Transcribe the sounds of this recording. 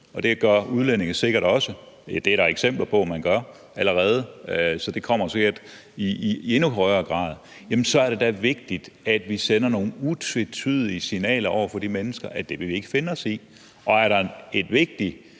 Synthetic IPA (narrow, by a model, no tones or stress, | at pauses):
ɒ̽d̥e̝ɡ̥ɶɐuð̞ˠlen̰e̝ŋɐse̝ɡ̥ɐɾ̥ɒ̽sə | d̥e̝æɐɾɑ̈eɡ̥sem̰b̥lɐpʰɒ̽mænɡ̥ɶɐ | æləʁɛːð̞ˠəsɒ̽d̥e̝kʰɒ̽m̰ɐseɡeɐd̥ | ie̝nuɦɒɪɐːɡ̥ʁɑ̰̈ːðˠ | jæmnsɒ̽æɐɾ̥e̝d̥æʋe̝ɡ̥̚d̥id̥æd̥ʋisenɐno̝ːn̩ut͡sʰet͡sʰyð̞ˠliəsinɛ̰ːlɐɒ̰ʊ̰ɐfɒ̽d̥imenəsɡ̥ɐʔæd̥e̝ʋe̝ʋie̝ɡ̥əfe̝nɒ̽si | ʔɒ̽æɐɾɑ̈e̝d̥ʋe̝ɡ̥̚d̥i